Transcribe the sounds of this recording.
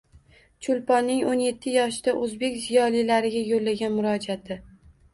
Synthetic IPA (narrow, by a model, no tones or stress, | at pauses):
t͡ʃʰʊlpɒnːɪŋonje̞t̪ʰːɪjɒʃɪd̪aʔɵzbe̞kʲzijɒlilaɾɪɡʲajolːaɡʲanmʊɾɒd͡ʒat̪ʰɪ